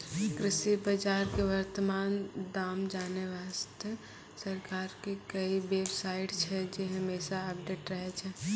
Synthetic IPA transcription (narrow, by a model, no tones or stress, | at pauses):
kɾɪʃibəd͡ʒaːɾkeʋəɾt̪əmaːnd̪aːmd͡ʒaːneʋaːst̪e | səɾkaːɾkekəibeːbsaːɪʈt͡ʃʰɛd͡ʒeɦəmeːsaəp̚ɖeːʈɾəɦet͡ʃʰɛ